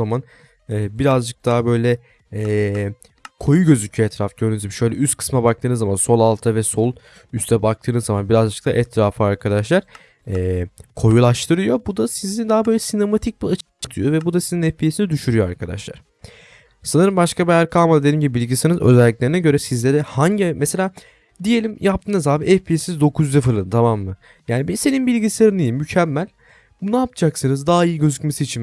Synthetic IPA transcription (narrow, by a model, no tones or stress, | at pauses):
aman | ɛːbiɾazd͡ʒɯk̚d̪ʰabø̞jlʲɛ | ɛː | kʰo̞juɟø̞zycʰyɛt̪ʰɾafɟøɾnyd͡ʒ̪ibʃø̞jlʲɛʔyst̪kʰɯ̥smabak̚t̪ʰɯːnɯzamanso̞lˠalˠt̪ʰavɛso̞lˠ | yst̪ʰɛbak̚t̪ʰɯːnɯzːamanbiɾazd͡ʒɯk̚t̪ʰa̰ʔɛt̪ʰɾaːfɯaɾkʰad̪aʃlˠaɾ | ɛːkʰo̞julˠaʃt̪ʰɯɾɯjo̞bud̪asizind̪aɦːbø̞jlʲɛsine̞mat̪ʰic̚biat͡ʃ | ɯ̥t̪ʰɯjo̞vɛbud̪asizinɛfʲijesinid̪yʃyɾyjoaɾkʰad̪a̰ʃlˠa̰ɾ̥ | sanɯɾɯmbaʃkabejæɾkʰalˠmad̪ad̪e̞lʲimɟibibilʲɟisenɯzø̰zɛlʲːic̚lʲeɾinɛɟø̞ɾɛsizlʲe̞ɾɛhaɲɟimɛse̞lʲaː | d̪ije̞lʲimjʔap̚t̪ʰɯːnazaːbiɛfpʰiesizd̪o̞kʰuzyd̪ɛfɯɾlˠɯnɯt̪ʰamamːɯ | jaːnibise̞ninbilʲɟiseɾɯnijimːycʰɛmːælʲ | bunaapd͡ʒʰaksɯnɯzd̪aːaijiɟøzycmesiit͡ʃʰim